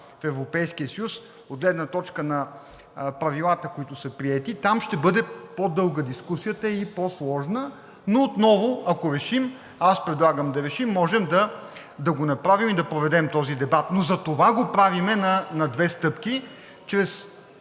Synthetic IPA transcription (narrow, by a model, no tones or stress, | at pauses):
fɛvɾopɛjskijəsəjus | od̪ɡlɛd̪nət̪ɔt͡ʃkənɐ | pɾɐvilˠat̪əkoit̪ʊsɐpɾiɛt̪it̪amʃt̪ɛbɤd̪ɛpod̪ɤlˠɡəd̪iskusijət̪əiposlˠɔʒnə | noːt̪nɔvoɐkoɾɛʃim | aspɾɛd̪lˠaɡəmd̪ɐɾɛʃimːɔʒɛmd̪ɐ | d̪ɐɡonɐpɾavimid̪ɐpɾovɛd̪ɛmt̪ɔzid̪ɛbat̪nozɐt̪ovaɡopɾavimɛnɐnɐd̪vɛst̪ɤpki | t͡ʃɾɛs